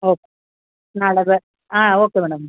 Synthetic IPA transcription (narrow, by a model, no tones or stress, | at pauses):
oːkːe | naɭɐɣɨ | aːoːkːeʋeːɳɐm